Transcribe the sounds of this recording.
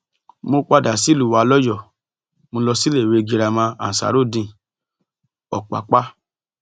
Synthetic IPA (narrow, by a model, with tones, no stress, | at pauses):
mo˧k͡pa˧da˨si˨˦˨lu˨wa˨˧lɔ˦jɔ˦˨ | mõ˧lɔ˧si˦le˦˨we˧˨˧ɡi˧ɾa˧mã˧a̰˨sa̰˨ɾo˦˨dĩ˧˨ | ɔ̰˨k͡pa̰˨k͡pa˦